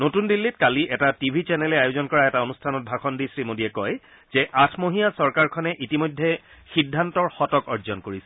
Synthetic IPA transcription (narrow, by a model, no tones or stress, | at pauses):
notundilːit̚kaliʔɛtatibʱit͡ʃɛnɛlɛajozɔnkɔɹaɛtaonustʰanɔt̚bʱaxɔndisɹimodiɛkɔj | z̥ɛʔatʰmoɦijasɔɹkaɹkʰɔnɛʔitimojdʱːɛ | xidʱːantɔɹxɔtɔkɔɹzɔnkoɹisɛ